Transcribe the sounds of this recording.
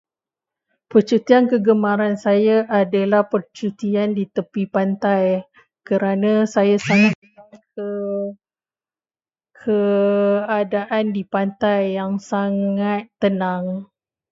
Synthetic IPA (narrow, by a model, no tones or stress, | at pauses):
pərt͡ʃut̪iankəɡəmãɾansajaʔadalahpərt͡ʃut̪iandit̪əpipant̪aj | kəɾanãsajasaŋat̪̚ːənaŋkə | kʰə | adaʔandipant̪ajːaŋsaŋat̪ːənaŋ